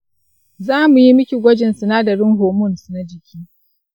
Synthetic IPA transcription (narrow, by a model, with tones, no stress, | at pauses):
zaː˦mu˨ji˦mʊ˦kʲi˨ɡʷɔ˦d͡ʒɪ˨nsʊ˨naː˦da˨ɽʊ˦ŋɦoː˨mʊ˦˨nsna˦d͡ʒɪ˨kʲʰiː˦